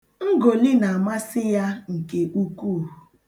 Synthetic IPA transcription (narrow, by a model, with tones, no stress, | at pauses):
ŋ̩˦ɡo˨lɪ˦na˨a˨ma˦sɪ˦ja˦ŋ̩˨ke˨ʔu˦ku˦˨